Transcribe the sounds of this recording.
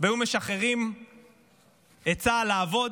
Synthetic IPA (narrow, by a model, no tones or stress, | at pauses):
veume̞ʃaχeʁim | et͡salaːvo̞d